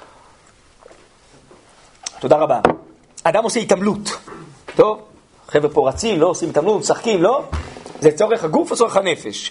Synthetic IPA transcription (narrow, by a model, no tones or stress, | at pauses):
t̪o̞d̪aʁaba | ad̪amo̞seit̪amlut̪to̞v | χevepo̞ʁat͡simlo̞osimit̪amlutsaχkimlo̞zet͡so̞ʁeχhaɡufet͡so̞ʁeχhane̞feʃ